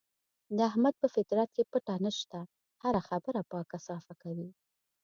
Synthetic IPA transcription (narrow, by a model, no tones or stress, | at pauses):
d̪əahmad̪̚pəfɪt̪ɾat̪̚kepəʈanəʃt̪a | haɾaxabəɾapəkasɑfakawi